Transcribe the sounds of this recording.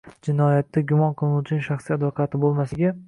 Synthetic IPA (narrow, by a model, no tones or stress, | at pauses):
d͡ʒɪnɒjat̪ʰːaɡʲʊmɒnqʰɨlˠɪnuwt͡ʃʰɪnɪŋʃaχsijad̪vɒqʰɑt̪ʰɪbolˠmasɪɡʲa